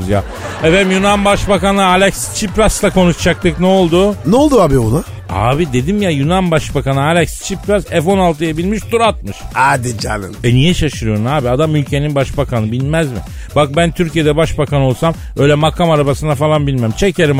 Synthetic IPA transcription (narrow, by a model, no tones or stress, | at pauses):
zjaː | ɛvɛmjunanbaʃbakanɯalʲɛkst͡ʃʰipɾaslˠako̞nuʃt͡ʃʰak̚t̪ɯknɛo̞lˠd̪ʊnolˠd̪uaːbibuna | a̰ːbid̪e̞d̪imjajunanbaʃbakanɯalʲɛcst͡ʃʰipɾasɛfo̞nalˠt̪ʰɯjabilʲmiʃt̪uɾat̪̚mɯʃaːd̪id͡ʒa̰nɯ̰nɛnijɛʃaʃɯɾɯjo̞ɾunaːbiad̪amylʲcʰe̞ninbaʃbakanɯbilʲmæzmɪ̰ | bak̚bænt̪ʰyɾcije̞d̪ɛbaʃbakano̞lˠsam | ø̞jlʲɛmakʰamaɾabasɯnafalˠanbilʲmæmt͡ʃʰeceɾim